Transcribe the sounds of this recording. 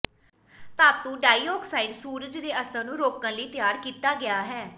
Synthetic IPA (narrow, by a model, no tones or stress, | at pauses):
t̪ãːt̪ũːɖaːioːksaːɪɖsuːɾəd͡ʒd̪eːəsãːnũːɾoːkãːləiːt̪ɪjaːɾkiːt̪aːɡɪjaːɦɛː